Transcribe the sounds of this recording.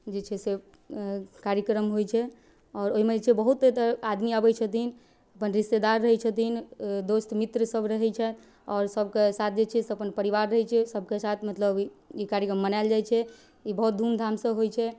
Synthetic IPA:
d͡ʒit͡ʃʰɛse | kaɾjəkɾəmɦojt͡ʃʰɛ | ɔːɾoɦimed͡ʒet͡ʃʰɛbəɦut̪et̪ad̪miabɛt͡ʃʰət̪in | əpənɾist̪ed̪aɾːəɦɛt͡ʃʰət̪ind̪ost̪mit̪ɾəsəbʱɾəɦɛt͡ʃʰɛ | ɔːɾsəbkesat̪̚ʰd͡ʒet͡ʃʰɛseəpənpəɾiʋaɾːəɦɛt͡ʃʰɛsəb̚ʱkesat̪ʰmət̪ləbikaɾjəkɾəmːənajld͡ʒajt͡ʃʰɛ | ibəɦut̪̚d̪ʱund̪ʱamsə̃ɦojt͡ʃʰɛ

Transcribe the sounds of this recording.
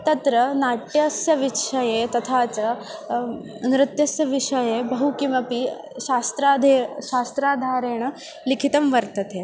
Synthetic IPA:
t̪ɐt̪ɾɐnaʈjɐsjɐʋiʂɐjet̪ɐt̪ʰat͡sɐ | nɾɪt̪jɐsjɐʋiʂɐjebɐɦukimɐpi | ɕast̪ɾad̪ʱeɕast̪ɾaːd̪ʱaːɾeːɳ̃ɐ | likʰit̪ɐmʋɐɾt̪ɐt̪e

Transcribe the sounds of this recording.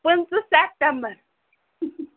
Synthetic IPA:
pɨnt͡sɨsɛp̚tɛmbəɾ

